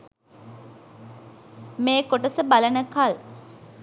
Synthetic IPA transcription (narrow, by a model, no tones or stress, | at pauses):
meːkoʈəsəbalənəkal